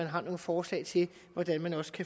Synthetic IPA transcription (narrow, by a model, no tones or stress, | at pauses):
ænɦɑ̈no̝ːð̩fɒːslɛ̰ɪt͡sʰe̝l | ʋɒd̥ænmænɒ̽sə̥kʰæ